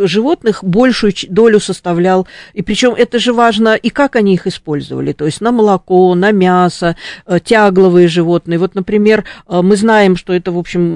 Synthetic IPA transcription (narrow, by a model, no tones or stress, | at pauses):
ʐɨvo̞t̪nɨxbo̞lʲʂʊjʊd̪o̞lʲʊsəst̪ɐvlʲalˠipɾʲɪt͡ɕo̞mʔɛt̪əʐɨvaʐnəʔikakɐnʲiixɪspo̞lʲzə̰və̰lʲɪ̰t̪o̞ɪsʲtʲnəməlˠɐko̞nəmʲasətʲaɡlˠəvɨjəʐɨvo̞t̪̚nɨjəvo̞t̪nəpɾʲɪmʲe̞rəmɨznajɪmʂt̪o̞ɛt̪əvo̞pɕːɪm